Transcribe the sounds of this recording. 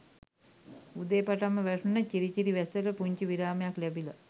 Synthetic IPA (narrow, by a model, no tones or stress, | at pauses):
ud̪eːpaʈamːəʋæʂunəciɾit͡ʃiɾiʋæsəɾəpuɲt͡ʃuʋiɾaːmejaklæbila̰